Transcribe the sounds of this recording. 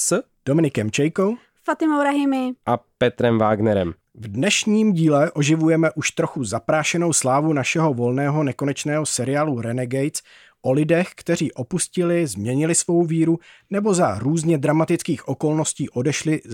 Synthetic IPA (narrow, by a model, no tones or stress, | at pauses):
s | d̥omɪnɪkɛmt͡ʃɛjkow | fat̪ɪmowɾaɦɪmɪʔapɛt̪ɾɛmvaːɡnɛɾɛ̰m | vdnɛʃɲiːmɟiːlɛʔo̞ʒɪvujɛmɛʔuʃt̪ɾoxuzapɾaːʃɛno̞wslaːvunaʃɛɦo̞vo̞lnɛːɦo̞nɛko̞nɛt͡ʃnɛːɦosɛɾɪaːluɾɛnɛɡɛjt͡s | ʔo̞lɪdɛxkt̪ɛr̝iːʔo̞puscɪlɪzmɲɛɲɪlɪsvo̞wviːɾunɛbo̞zaɾuːzɲɛd̪ɾamat̪ɪt͡skiːxʔo̞ko̞lno̞sciːʔo̞dɛʃlɪ